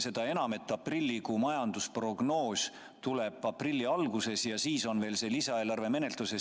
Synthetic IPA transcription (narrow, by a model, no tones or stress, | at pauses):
se̞d̪̥ɑe̞nɑme̞t̪ˑːɑprilʲːikumɑjɑnd̪̥uspro̞ɡ̥no̞ːsʲ | t̪ule̞b̥ɑprilʲːiɑlɡuse̞sjɑsiːso̞nve̞ːlse̞ːlisɑe̞ːlɑrve̞me̞ne̞lt̪ˑuse̞